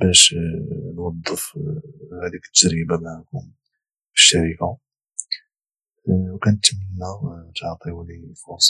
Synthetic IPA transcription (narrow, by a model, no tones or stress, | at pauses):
bæʃ | nwɑd̪ˤːəf | hæd̪ikt̪ːʒd͡ʒɾibamaʕakʊm | fə̥ʃːæɾika | wkænət̪mənːæt̪ʕt̪ˤiulifusˤ